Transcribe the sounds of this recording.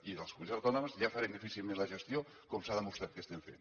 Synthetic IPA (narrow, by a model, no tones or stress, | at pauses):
iəlˠskumunzawt̪ɔnomzʎafaɾend̪ifisilˠmẽnləʒəst̪jo | komsaðəmust̪ɾat̪kəst̪eɱfḛn